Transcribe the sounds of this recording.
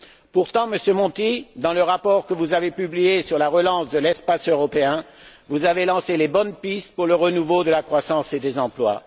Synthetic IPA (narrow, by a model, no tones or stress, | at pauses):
puʁt̪ɑ̃məsjømɔ̃t̪id̪ɑ̃ləʁapɔʁkəvuzavepyblijesyʁlaʁəlɑ̃sd̪əlɛspasøʁɔpeɛ̃ | vuzavelɑ̃selebɔnpist̪̚puʁləʁənuvod̪əlakχwasɑ̃sed̪ezɑ̃plwa̰